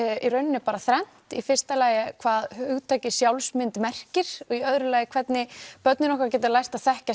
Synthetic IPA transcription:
iɾœɥnɪnɪpaːɾaθɾɛn̥tt̪ifɪ̥st̪alaːjɪkʰvaːðhʏɣt̪ʰaːjcɪsjawlsmɪnt̪mɛr̥cɪɾ̥ɔɣiœðɾʏlaːjɪkʰv̥ɛt̪nɪpœt̪nɪnɔhkɾcɛːt̪ɪlajrst̪aðθɛhca

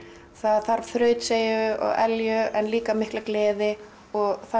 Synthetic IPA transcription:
θaðθaɾ̥θɾœːɥt̪seːjʏɔ̰ɣɛljʏɛnliːkamɪhklaklɛːðɪ | ɔɣθa

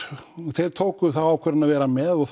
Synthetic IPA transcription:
θɛɾ̥t̪ʰoːwkʏθawaːwkʰvɛɾɪnaðvɛːɾamɛðɔɣθ

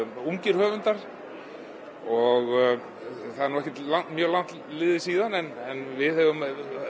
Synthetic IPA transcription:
uɲcɪɾ̥hœːvʏnt̪aɾ̥ | ɔɣ | θaðɛɾnuːɛhcɛt̪lawnt̪mjœːɣlawn̥t̪ | lɪːðɪsiːðanɛnɛnvɪðhɛvʏm

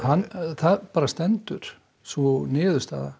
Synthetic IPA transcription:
hanθaðpaːɾast̪ɛnt̪ʏɾ̥ | svɔnɪːðʏst̪a̰ːða̰

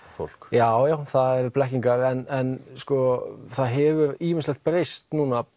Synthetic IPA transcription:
fo̰l̥kjaːwjawθaðɛɾplɛhciŋkaɾɛnɛnskɔθaðɦɛvʏɾiːmɪnslɛt̪pɾejst̪nuːna

